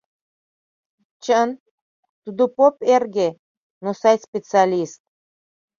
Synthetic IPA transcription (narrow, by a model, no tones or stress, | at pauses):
t͡ɕən | t̪ud̪opoperɡe | nosɑjspʲet͡sɨɑlʲist̪̚